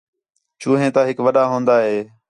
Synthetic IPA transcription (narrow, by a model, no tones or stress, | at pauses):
t͡ʃuːɦẽːt̪aːɦɪkʋəɗaːɦõːnd̪aːɦeː